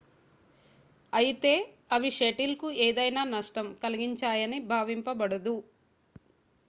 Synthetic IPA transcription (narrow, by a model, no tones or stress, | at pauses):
ɐjit̪e̞ː | ɐʋiʃeʈilkueːd̪ɐjnaːnɐʂʈɐmkɐliɡiɲt͡ʃaːjɐnibʱaːʋimpɐbɐɽɐd̪u